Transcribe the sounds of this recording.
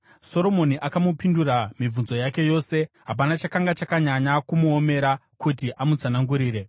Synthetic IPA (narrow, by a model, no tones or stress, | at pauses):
so̞ɾo̞mo̞niʔakamupinduɾamib͡vunzo̞jake̞jo̞ːse̞ɦap̬anat͡ʃakaŋɡat͡ʃakaɲaɲakumuome̞ɾa | kutiʔamud͡zanaŋɡuɾiːɾe̞